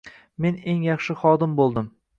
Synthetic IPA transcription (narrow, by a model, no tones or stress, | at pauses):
me̞ne̞ŋjɑχʃɪχɒd̪ɪmbolˠd̪ɪm